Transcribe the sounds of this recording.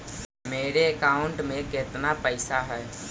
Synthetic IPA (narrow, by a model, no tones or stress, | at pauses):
meːɾeəkaːʊɳʈmẽkɪt̪napəɪsaɦɛː